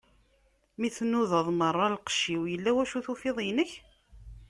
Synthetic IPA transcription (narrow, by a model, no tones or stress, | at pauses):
miθnuðəðˤmərˤːɑlqə̥ʃːiwjəlːæwæʃuθufɪðˤjnəç